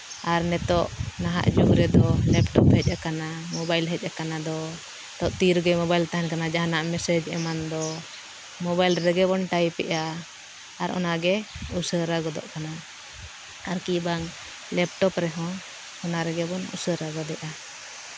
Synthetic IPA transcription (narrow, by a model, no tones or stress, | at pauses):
aɾnɛt̪ɔʔnaɦa̰ʔd͡ʒuʔɾɛd̪ɔlɛpʈɔphɛc̚ˀʔakanamɔbajlɦɛc̚ˀakanad̪ɔ | t̪ɔʔt̪iɾɡɛmɔbajlt̪aɦɛnkanad͡ʒaɦanaʔmɛsɛd͡ʒɛ̰mand̪ɔ | mɔbajlɾɛɡɛbɔnʈajpɛʔaː | ɾɔ̰naɡɛusəɾaɡɔd̪ɔ̰ʔkana | aɾkibaŋ | lɛp̚ʈɔpɾɛɦɔ̃ | hɔnaɾɛɡɛbɔnṵsəɾaɡɔd̪ɛʔa